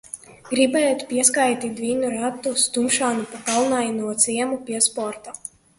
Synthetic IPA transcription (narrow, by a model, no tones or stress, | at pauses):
ɡɾibɛːjt̪pʲiɛskajt̪ʲid̪vʲiːnuɾat̪ːust̪umʃaːnupakalˠnajnuɔt̪siɛmupʲiɛspɔɾt̪a